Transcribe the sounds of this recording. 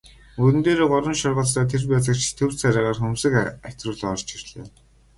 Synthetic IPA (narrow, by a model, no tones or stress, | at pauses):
ɵɾɘnt̪eːɾoːɢɔɾə̆nʃɔrʁə̆ɮsaːt̪ʰerpæːt͡sə̆kt͡ɕʰt̪ʰɵwr̥t͡saɾʲaːʁaːrxɵmsɘ̆kæw̥ʲt̪rʊːɮɔrt͡ɕirɮḛː